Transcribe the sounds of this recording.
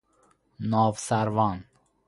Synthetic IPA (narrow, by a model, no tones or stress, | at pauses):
nɔːvsaɾvɑːn